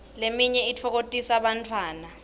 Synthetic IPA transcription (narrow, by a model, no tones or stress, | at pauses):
lemiɲɛitʰɔk̬otʼisaɓantʰwaːna